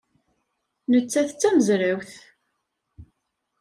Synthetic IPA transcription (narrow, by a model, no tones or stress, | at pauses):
nət͡sːæθt͡sːæməzɾawθ